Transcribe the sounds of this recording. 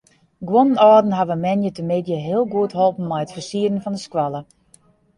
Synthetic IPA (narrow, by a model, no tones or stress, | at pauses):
ɡwonənɔːdn̩ɦaʋəmɛnjətəmɪdjəɦɪəlˠɡuətɦholˠpn̩mɛjətfərsiədənfɔndəskwalˠə